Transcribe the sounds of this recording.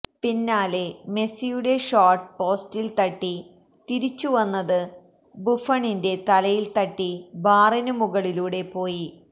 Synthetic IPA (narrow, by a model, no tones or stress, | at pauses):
pinːaːleme̞sijuɽe̞ʂaːrʈpo̞ːstilt̪ɐʈːi | t̪iɾit͡ɕːuʋɐnːɐðɨ | bufɐɳinde̞t̪ɐlɐjilt̪ɐʈːibaːrɐnumuɣɐɭiluːɽe̞po̞ːji